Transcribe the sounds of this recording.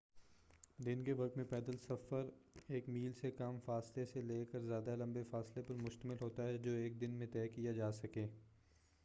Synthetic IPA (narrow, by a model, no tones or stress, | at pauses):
d̪ɪnkeʋɐk̚t̪mẽpɛːd̪əlsɐfəɾeːkmiːlsekamfaːsleseleːkəɾzjaːd̪alɐ̃mbefaːslepɐɾmʊʃt̪əmɪlɦoːt̪aɦɛd͡ʒoːeːk̚d̪ɪnmẽt̪ɛːkijad͡ʒaːsɐkẽː